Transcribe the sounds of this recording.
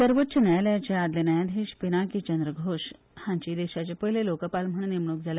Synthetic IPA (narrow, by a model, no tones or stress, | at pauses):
səɾʋətːɕənajləjat͡ɕead̪lenajad̪ʱeɕpinakit͡ɕənd̪ɾəɡʱoɕ | hãɲt͡ɕiːd̪eɕat͡ɕepəɦilelokəpalm̤əɳ̃nimɳuk̚d͡zʱalj